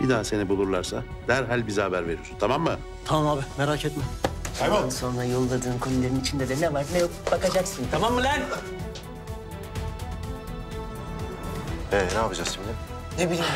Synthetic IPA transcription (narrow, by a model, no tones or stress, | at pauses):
bid̪anase̞nibulˠuɾlˠaɾsa | d̪̥æɾɦalʲbizhabæɾve̞ɾijosunt̪ʰamamːɯ | t̪ʰamamaːbimeɾaːcʰɛt̪mɛsd̪anso̞nɾajo̞lˠːad̪ɯːnkʰo̞nulʲˠeɾinit͡ʃʰind̪elʲenɛvaɾnɛjokbakad͡ʒaksɯnt̪ʰamamːɯlʲæn | ɛnɛapad͡ʒaksɯmbilʲi | nebilʲi